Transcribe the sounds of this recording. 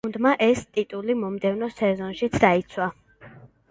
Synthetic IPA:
nd̪maʔɛst̪ʼit̪ʼulimɔmd̪ɛvnɔsɛzɔnʃit̪sʰd̪ait̪sʰwa

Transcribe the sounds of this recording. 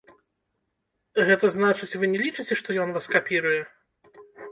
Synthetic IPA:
ɣɛt̪ɐznat͡ʂɨt͡sʲvɨnʲɛlʲit͡ʂɨt͡sʲɛʂt̪ɔjɔnvaskapʲiɾujɛ

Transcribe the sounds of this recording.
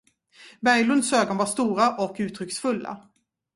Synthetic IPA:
bæɾjlɵnd̪søːɡɔnvaʂt̪uːɾaʔɔkʉ̟ːt̪ʰɾʏksfɵlːa̰

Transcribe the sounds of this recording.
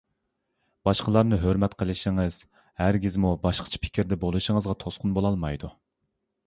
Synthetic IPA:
b̥ɑʃqʰəlˠɑɾnɨɦøɾmɛt̪qʰəlˠɪʃiŋɨz̥ | hæɾɡʲizmubɑʃqʰə̥t͡ʃʰɛ̥pʰɪ̥kʲʰiɾd̪ɛbolˠɨʃəŋəzʁɑt̪ʰosqʰʊnbolˠɑlˠmɑjd̪u

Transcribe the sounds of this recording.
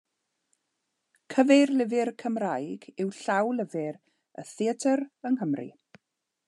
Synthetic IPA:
kʰəverlɪvɪrkʰəmrajɡɪwɬawlˠəvɪɾ | ə̰θɪətʰəɾənɦəmrḭ

